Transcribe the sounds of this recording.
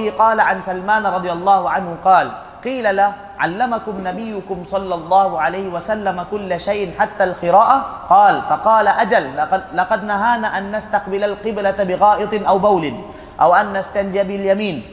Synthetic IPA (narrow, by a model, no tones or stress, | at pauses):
hɪqɑːlaʕansalmaːnɾˤɑd̪ˤɨjɑlˤːɑːhʊʕanhʊqɑːl | qiːlala | ʕalːamakʊmnabɪjːʊkʊmsˤɑlːɑlˤːɑːhuʕalajhɪwasalːamakʊlːaʃajʔnħat̪ːalqɨɾaːʔa | qɑːlfɑqɑːlaʔad͡ʒallɑqɑd̪naɦaːnaːʔanːast̪aqbɪlalqɨblabɪɣɑːʔɨt̪ˤnʔawbawlɪn | ʔawʔanːast̪and͡ʒabɪljamiːn